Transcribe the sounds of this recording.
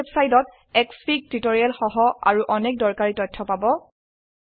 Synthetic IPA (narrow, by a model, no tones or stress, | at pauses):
bsajdɔt̚ | ɛkspik̚titɔɹialxɔɦɔa̰ɹuʔɔnɛk̚dɔɹkaɹitɔjtʰːɔpabɔ